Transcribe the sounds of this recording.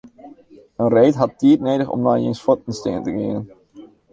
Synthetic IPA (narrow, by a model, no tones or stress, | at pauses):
ənrejtɦɑtːiːtnejdəχɔ̰mnaːjensfɔtɪnstḛːəntəkeːən